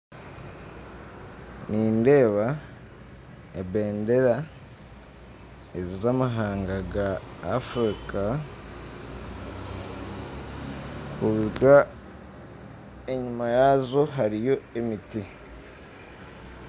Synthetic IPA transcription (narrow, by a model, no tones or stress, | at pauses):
niːnde̞ːβa | ebe̞ːnde̞ɾa | ezizamaɦaːŋɡaɡaːfɾikʰa | kuβuɡa | eɲumajazo̞ɦaɾijo̞emiti